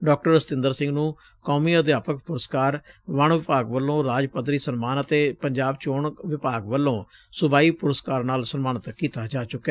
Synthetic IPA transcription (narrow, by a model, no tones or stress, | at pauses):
ɖɔːk̚ʈəɾəst̪ɪ̃nd̪əɾsɪ̃ŋɡnũː | kɔːmiːəd̪jaːpək̚pʊɾəskaːɾʋəɳʋɪpaːɡʋəlːõːɾaːd͡ʒpət̪ɾiːsənmaːnət̪eːpəɲd͡ʒaːbt͡ʃoːɳʋɪpaːɡʋəlːõː | sʊbaːiːpʊɾəskaːɾnaːlsənmaːɳət̪kiːt̪aːd͡ʒaːt͡ʃʊkːɛ